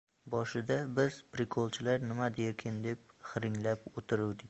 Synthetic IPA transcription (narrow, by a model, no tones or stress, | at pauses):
bɒʃɪd̪abɪz̥pɾɪkʰolˠt͡ʃʰɪlaɾnɪmad̪eɾkʲʰɪnd̪e̞p̚ | χɨɾɪŋlapot̪ʰɪɾɪwd̪ɪkʲ